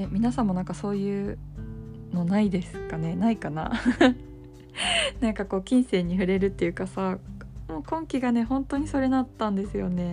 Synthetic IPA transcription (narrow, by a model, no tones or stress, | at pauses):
emʲinasãmːo̞nãŋkaso̞ːjɯ̟ː | no̞naid̪e̞sɨ̥kane̞naikana̰ | nãŋkako̞ːkʲĩɰ̃se̞ːɲ̟ːiɸɯ̟ɾe̞ɾɯ̟t̪ːe̞jɯ̟ːkasamo̞ːkõ̞ŋkʲiɡane̞hõ̞nt̪o̞ɲ̟iso̞ɾe̞nat̪ːãnd̪e̞sɨjo̞̰ne̞